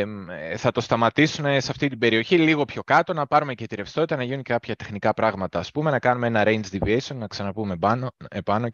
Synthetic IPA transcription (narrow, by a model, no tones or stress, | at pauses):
θɐt̪o̞st̪ɐmɐt̪isune̞sɐft̪it̪ibe̞ɾio̞çiliɣo̞pço̞kɐt̪o̞nɐpɐɾume̞ce̞t̪iɾe̞fst̪o̞t̪it̪ɐnɐʝinuɲcekɐpçɐt̪e̞xnikɐpɾɐɣmɐt̪ɐːspume̞nɐkɐnumee̞nɐɾejnd͡ʒd̪iviesionnɐksɐnɐpumebɐnoepɐno̞